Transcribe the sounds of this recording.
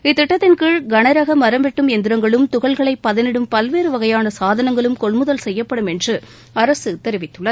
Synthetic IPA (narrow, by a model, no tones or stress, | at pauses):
ɪt̪ːɪʈːɐt̪ːɪnkɯɻɡɐnɐɾɐɣɐmɐɾɐmbɛʈːɯmɛnd̪ɪɾɐŋɡɐɭɯmt̪ʊɣɐɭɣɐɭɐɪpːɐðɪnɛɽɯmpɐlʋeːɾɯʋɐɣɐjaːnɐsaːðɐnɐŋɡɐɭɯmkɔɭmɯðɐlsɛjːɐpːɐɽɯmɛndrɯ | ɐɾɐsɯt̪ːɛɾɪʋɪt̪ːɯɭːɐð